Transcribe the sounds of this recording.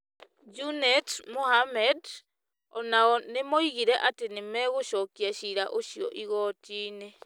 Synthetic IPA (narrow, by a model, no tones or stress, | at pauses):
d͡ʒunetmoɦamed | onaonemoiɣiɾeʔat̪enemeɣoʃokiaʃiɾaʔoʃio̰ʔiɣotine